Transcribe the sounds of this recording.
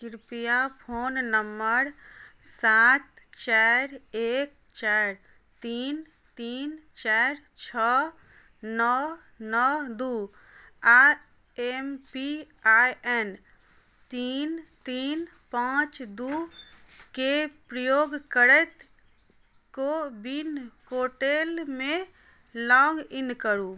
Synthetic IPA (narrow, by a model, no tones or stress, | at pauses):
kiɾpijapʰoːnnəmːəɾsat̪ | t͡ʃaɾek̚ | t͡ʃaɾ | t̪in | t̪iːnt͡ʃaɾ | t͡ʃʰə | nɔ | nɔd̪u | a | empi | ajʔɛn | t̪int̪in | pãt͡ʃd̪u | kepɾəjoɡkəɾɛt̪ | kobinhoʈelme | lɔŋɡinkəɾu